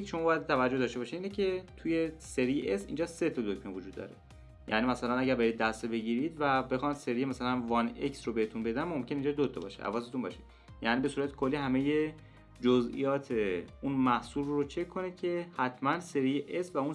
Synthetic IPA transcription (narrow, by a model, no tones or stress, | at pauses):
jekʰeʃoɒːbɒːjæd̪̚t̪ʰævæd͡ʒohd̪ɒːʃt̪eɒʃiiːnecʰe̞t̪ʰuje̞se̞ɾijeʔesind͡ʒɒːse̞t̪ʰɒd̪okmevod͡ʒuːd̪ːɒ̰ːɾe̞̰ | jæ̰ːnimæsælænæɟæɾbeɾid̪̚ːæst̪ebe̞ɟiːɾid̪væbe̞xɒːnseɾijemæsælænvɒneksɾobe̞het̪unbe̞d̪ænmomcʰʲeneind͡ʒɒd̪ot̪ʰɒbɒ̰ʃeʔæ̰vɒːs̬e̞t̪unbɒ̰ːʃe̥ | jæːniːbe̞suɾæt̪ʰe̥kʰolːihæme̞je̞ | d͡ʒozʔḭjɒːt̪ʰe̞unmæhsulrot͡ʃʰe̞kʰːonid̪̥̚cʰe̞hæt̪ʰmænse̞ɾijeʔesvæun